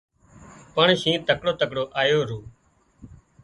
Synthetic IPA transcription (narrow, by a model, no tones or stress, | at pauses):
pəɳʃĩːt̪əkɽoːt̪əkɽoːʔaːjoːɾuː